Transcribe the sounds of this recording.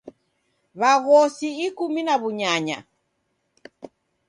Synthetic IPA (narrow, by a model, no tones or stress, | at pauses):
βaɣɔsiːkuminaβuɲaɲa̰